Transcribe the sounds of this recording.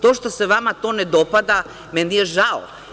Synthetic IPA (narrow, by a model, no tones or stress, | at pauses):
t̪oːʃt̪oseʋamat̪oːned̪opad̪a | mɛnijeʒao